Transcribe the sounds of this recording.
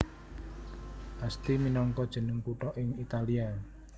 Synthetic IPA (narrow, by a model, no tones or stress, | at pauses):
ʔast̪iminɔŋkɔd̥ʒ̥ə̤nəŋpuʈɔʔɪŋit̪alia